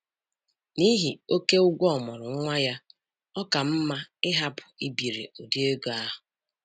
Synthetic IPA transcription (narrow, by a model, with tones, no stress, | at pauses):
ni˦ɦi˨o˦ke˦ʊ˦ɡʷɔ˨mɔ˨ɾʊ˨ŋ˦ŋʷa˦ja˦ | ɔ˦ka˨m̩˦ma˦ɪ˦ɦa˦pʊ˨i˦bi˨ɾḛ˨o˨di˦e˦ɡo˨a˦ɦʊ˨